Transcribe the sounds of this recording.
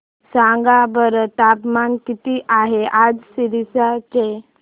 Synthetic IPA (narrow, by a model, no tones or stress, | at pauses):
sãŋɡabəɾəʈapmankit̪iʔaɦead͡zsiɾisat͡ɕe